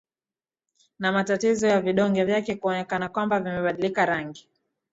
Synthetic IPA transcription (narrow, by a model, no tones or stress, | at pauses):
namatatizɔjaviɗɔŋɡɛvjakɛkuɔnɛkanakwambavimɛɓaɗilikaɾaŋɡi